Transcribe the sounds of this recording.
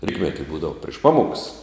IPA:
ˈrʲiːtʲmʲɛtʲɪ ˈbuːdɐʋʊ pʲrʲɪʃ ˈpɑːmoːks

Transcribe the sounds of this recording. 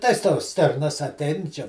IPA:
tɐɪs ˈtoːs ˈsʲtʲɪrnɐs ɐˈtʲˈɛɪn t͡ʃʲɛ

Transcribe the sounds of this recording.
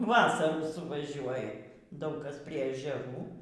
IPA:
ˈʋɑːsɐruː sʊʋɐˈʒʲuɔjɛ ˈdɐʊk ˈkɐs ˈpʲrʲiɛ ɛʒʲɛˈruː

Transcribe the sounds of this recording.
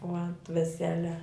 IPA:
oː ɐnt ʋʲɛˈsʲæːlʲɛ

